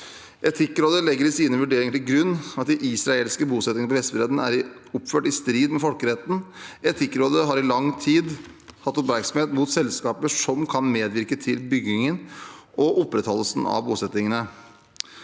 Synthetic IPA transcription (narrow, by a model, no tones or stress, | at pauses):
ʔɛt̪ʰɪkːɾoːd̪əlɛɡːəɾɪsiːnəʋʉɖeːɾɪŋəʈ̪ʰɪlɡɾʉnːɑt̪̚d̪ɪʔɪsɾɑeːlskəbuːsɛt̪ɪŋnəp̬ʰɔhɛst̪əbɾeːd̪n̩æ̰ɾɪɔpføːʈɪst̪ɾiːd̪mɛfɔlkəɾɛt̪n̩ɛt̪ʰɪkːɾoːd̪əɦɑɾɪlɑŋt̪ʰiːd̪hɑt̪ːɔpmæɾksmheːt̪muːt̪sɛlskɑːpəʂɔmkʰɑnmeːd̪ʋɪɾkət̪ʰɪlbʏɡnɪŋənʔɔʔɔpːɾɛt̪hɔləsn̩ɑ̰ʋbuːsɛt̪ːɪŋənə